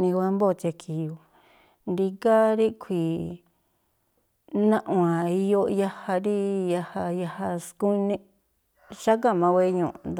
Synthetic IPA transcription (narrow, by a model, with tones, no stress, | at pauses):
nĩ˧kʷa˧mbo˦˨t̪a˧kʰi˨jo˨ | nd̪i˧ka˦ɾi˦kʰʷi˨ | nã˦ʔw̃ã˨i˧jo˦ja˧ha˧ɾi˦ja˧ha˧ja˧ha˧sku˦˧nẽ˦ | ʃa˦ka˦˨mã˧wʷe˦ɲũː˨ʔnd̪